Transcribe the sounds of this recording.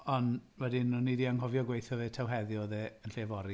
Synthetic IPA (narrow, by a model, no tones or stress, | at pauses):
ɔnwɛdinʊnːidiaŋɦɔvjɔɡwejθjɔveːtʰawɦɛðjɔðɛːənɬevɔɾi